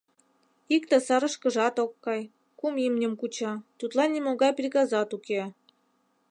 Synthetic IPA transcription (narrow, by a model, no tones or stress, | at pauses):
ikt̪ĕsɑɾɤ̆ʃkə̆ʒɑt̪okːɑj | kumimnʲə̆mkut͡ɕɑt̪ut̪lɑnʲːimoɣɑjprʲikɑzɑt̪uke